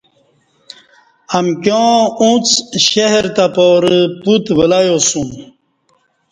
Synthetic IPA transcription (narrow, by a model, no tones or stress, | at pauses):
amkjõũt͡sɕeɦɾt̪apoːɾəput̪wəlajosũm